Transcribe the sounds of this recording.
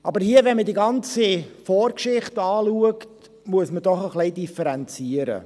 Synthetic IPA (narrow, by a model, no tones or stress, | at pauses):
ʔɑbəɾhiəvɛnmədiɡɑnt͡sifoːrkʃɪχtɑːluəkt | muəsmədɔχəχlɛɪdifəɾɛnt͡siəɾə̰